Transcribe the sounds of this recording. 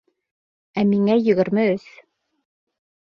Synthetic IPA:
æmiŋæjɵ̆ɣɘ̆ɾmɘɵs

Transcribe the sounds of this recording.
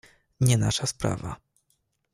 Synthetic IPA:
ɲɛnaʂaspɾa̰va̰

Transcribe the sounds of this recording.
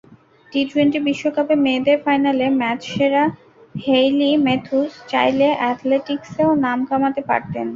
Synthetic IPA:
ʈit̪ueɳʈibiʃːokapemeːd̪eɾfajnalemɛt͡ɕʃeɾa | hejlimet̪ʰust͡ɕa̰jleʔɛt̪ʰleʈikseonamkʰamat̪epa̰ɾt̪en

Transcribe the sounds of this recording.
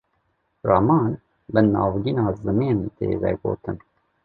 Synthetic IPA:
rɑmɑːn | bɨnɑ̰ːvɡiːnɑːzɨmiːnt̪ḛːvɛ̰ɡo̰ːt̪ɨn

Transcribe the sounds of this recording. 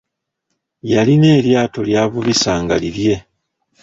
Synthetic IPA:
jaline̞ːljaːto̞ljaːβuβisaːŋɡalilje̞

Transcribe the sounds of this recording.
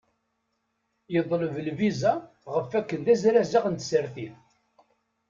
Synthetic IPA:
jəðˤləvəlviza | ʁəfækːənðæzɾæzaʁənt̪səɾθiθ

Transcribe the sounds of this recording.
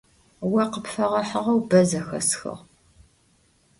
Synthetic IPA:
wɐqəpfɐʁɐħəʁɐwbɐzɐxɐ̰sxɐ̰ʁ

